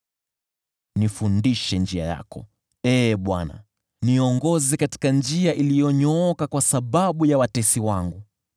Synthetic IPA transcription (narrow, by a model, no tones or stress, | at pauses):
nifundiʃɛnd͡ʒia̰ja̰kɔ̰ | ɛɓwana̰ | niɔŋɡɔzɛkati̥kand͡ʒiaʔilijɔɲɔɔkakwasaɓaɓujawatɛsiwaŋɡu